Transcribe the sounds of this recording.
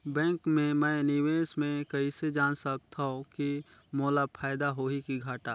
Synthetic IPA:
bɛ̃ːŋkmẽmɛ̃ːnɪʋeːsmẽkɐɦised͡ʒaːnsək̚t̪ʰaõkimoːlapʰaːɪd̪aɦoɦikiɡʱaːʈaː

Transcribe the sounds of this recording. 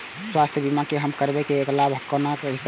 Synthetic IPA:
swast̪ʰjəbimakeɦəmkəɾbɛkeːklabʱɦəkːonakeɦis

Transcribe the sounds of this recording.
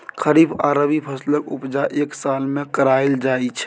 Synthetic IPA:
kʰəɾibaːɾəbipʰəsləkʊpd͡ʒaʔeːksaːlmẽkəɾaːɪld͡ʒaːit͡ʃʰ

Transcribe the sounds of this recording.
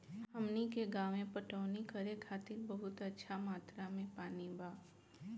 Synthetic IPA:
həmnikeɡaːʋẽpəʈəːnikəɾekʰaːt̪ɪɾbɐɦʊt̪ətːʃʰamaːt̪ɾamẽpaːnibʱaː

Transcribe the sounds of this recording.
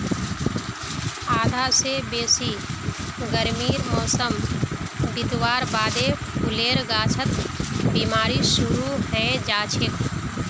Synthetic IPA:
aːd̪ʱaːsebeːsi | ɡəɾmiːɾmɔːsəm | bɪt̪waːɾbaːd̪epʰʊleːɾɡaːt͡ʃʰət̪biːmaːɾisʊɾuɦɛ̃d͡ʒaːt͡ʃʰɪk̪

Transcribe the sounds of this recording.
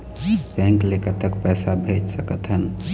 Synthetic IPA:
bɛ̃ŋklekət̪əkpɛsabʱet͡ʃsəkət̪ɦən

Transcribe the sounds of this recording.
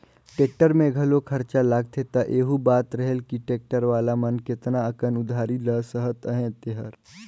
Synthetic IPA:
ʈeːk̚ʈəɾmẽɡʱɐlokʰɐɾt͡ʃalaːɡ̚t̪ʰet̪ɐʔeːɦubaːt̪ɾɐɦelkiʈeːk̚ʈəɾʋaːlamɐnkɪt̪naəkənʊd̪ʱaːɾiləsəɦət̪əɦẽt̪eɦəɾ

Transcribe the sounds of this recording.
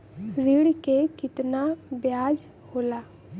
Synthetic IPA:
ziɽkekɪt̪nabjaːd͡ʒ | hoːlaː

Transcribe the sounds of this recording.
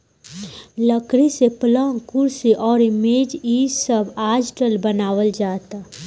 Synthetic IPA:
ləkɾiseplə̃ŋkʊɾsiʔɔːɾɪmeːd͡ʒiːsəbaːd͡ʒʈəlbənaːwəld͡ʒaːt̪aː

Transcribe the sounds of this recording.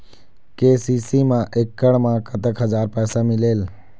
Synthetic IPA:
keːsiːsimãʔekːəɽmãkʰət̪əkɦəzaːɾpɛːsamɪleːl

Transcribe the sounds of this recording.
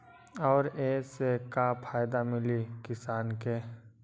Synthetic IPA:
ɔːɾeːsekapʰaːjd̪amɪlikɪsaːnke

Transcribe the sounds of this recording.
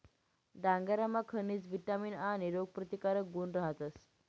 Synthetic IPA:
d̪ãŋɡaɾamakʰəniːt͡sʋiʈamiːnaniɾoɡ̚pɾət̪ikaɾək̚ɡunɾəɦat̪əs

